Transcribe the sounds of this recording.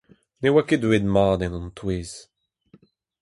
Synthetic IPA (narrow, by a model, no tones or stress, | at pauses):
newaked̪wed̪maːd̪ɛ̃nɔ̃nt̪weːz̥